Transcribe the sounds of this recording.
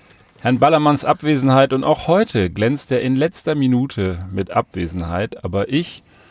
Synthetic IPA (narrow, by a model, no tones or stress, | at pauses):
hɛɐnbalɐmansʔapv̥eːzn̩haɪtʊnta̰ʊxhɔʏtʰəɡlɛnt͡steːɐɪnlɛt͡stɐminuːtʰəmɪtʔa̰pv̥ḛːzn̩ha̰ɪtʔa̰ːbɐʔɪç